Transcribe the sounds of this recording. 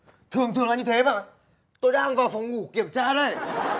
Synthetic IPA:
t̪ʰɨ˨˩əŋt̪ʰɨ˨˩əŋlaː˨˩ɲɨ˧t̪ʰe˨˦ɓa̰ː˧˨n | t̪o˧jɗaː˧ŋvaː˨˩wfa˨˩wŋ͡mŋu˧˩ki˧˩əmt͡ɕaː˧ɗə˧˩j

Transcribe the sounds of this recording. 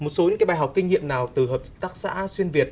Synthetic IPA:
mo˨˩t̚so˨˦ɲɨ̰˧˥kaː˨˦jɓaː˧˩ɦa˨˩wk͡p̚ki˧ŋ̟ɲḭ˧˨əmnaː˨˩wt̪ɨ˨˩ɦəː˨˩p̚zɨ̥˦˥k̚t̪aː˦˥k̚sa̰ː˧˥swi˧ənvi˨˩ət̚

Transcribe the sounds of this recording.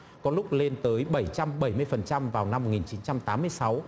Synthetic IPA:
kɔ˨˦lʊ˦˥k͡p̚le˧nt̪əː˨˦jɓə˧˩jt͡ɕa˧mɓə˧˩jmɨ˧əjfə˨˩nt͡ɕa˧mvaː˨˩wna˧mː˨˩t̚ŋi˨˩nt͡ɕi˨˦nt͡ɕa˧mt̪aː˨˦mːɨ˧əjsa˨˦w

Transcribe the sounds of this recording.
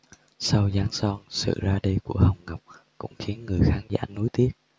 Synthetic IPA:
sa˧wzaː˧ŋsɔ˧nsɨ̰˧˨zaː˧ɗi˧ku˧˩əhə˨˩wŋ͡mŋa˨˩wk͡p̚ | kʊ̰˧˥ŋ͡mxi˨˦ənŋɨ˨˩əjxaː˨˦nza̰ː˧˩nu˨˦jt̪i˦˥ət̚

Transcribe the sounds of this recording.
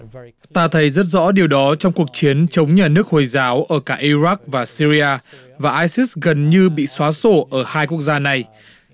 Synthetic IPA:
t̪aː˧t̪ʰə˨˦jzə˦˥t̚zɔ̰˧˥ɗi˨˩əwɗɔ˨˦t͡ɕɔ˧wŋ͡mku˨˩ək̚t͡ɕi˨˦ənt͡ɕə˨˦wŋ͡mɲaː˨˩nɨ˦˥ək̚ho˨˩jzaː˨˦wʔəː˧˩kaː˧˩ʔi˧za˦˥k̚vaː˨˩si˧zi˧aː˧ | vaː˨˩ʔaː˧jsi˦˥sɣə˨˩nɲɨ˧ɓḭ˧˨swaː˨˦so˧˩ʔəː˧˩haː˧jku˦˥ək̚zaː˧na˨˩j

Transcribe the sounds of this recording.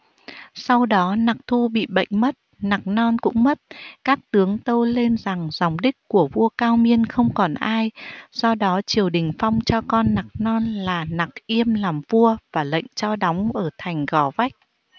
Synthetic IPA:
sa˧wɗɔ˨˦na˨˩k̚t̪ʰu˧ɓḭ˧˨ɓə̰˧˨jŋ̟mə˦˥t̚na˨˩k̚nɔ˧nkʊ̰˧˥ŋ͡mmə˦˥t̚kaː˦˥k̚t̪ɨ˨˦əŋt̪ə˧wle˧nza˨˩ŋza˨˩wŋ͡mɗï˦˥k̚ku˧˩əvu˧əkaː˧wmi˧ənxə˧wŋ͡mkɔ˨˩nʔaː˧jz̥ɔ˧ɗɔ˨˦t͡ɕi˨˩əwɗï˨˩ŋ̟fa˧wŋ͡mt͡ɕɔ˧kɔ˧nːa˨˩k̚nɔ˧nlaː˨˩na˨˩k̚ʔi˧əmlaː˨˩mvu˧əvaː˨˩lə̰˧˨jŋ̟t͡ɕɔ˧ɗɔ˨˦wŋ͡mʔəː˧˩t̪ʰa˨˩jŋ̟ɣɔ˨˩˦va˦˥jk̚

